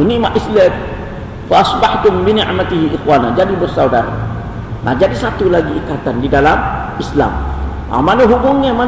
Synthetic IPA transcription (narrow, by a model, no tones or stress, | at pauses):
nɪʔmaʔislam | faʔɑsbaħt̪ʊmbinɪʕmat̪iɦiʔɪxwaːnad͡ʒadibərsawdaɾa̰ | ma̰d͡ʒadisat̪ulaɡiikat̪andidalam | isla̰m | a̰manaɦubʊŋɲama